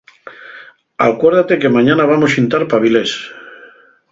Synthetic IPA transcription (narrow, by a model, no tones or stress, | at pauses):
akwe̞ɾðat̪e̞kemãɲanaβamosint̪aɾpaβiles